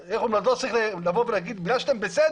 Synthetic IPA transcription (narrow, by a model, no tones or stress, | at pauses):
eχumlad̪lot͡siχlelavovenaɡid̪bɡaʃt̪embesed̪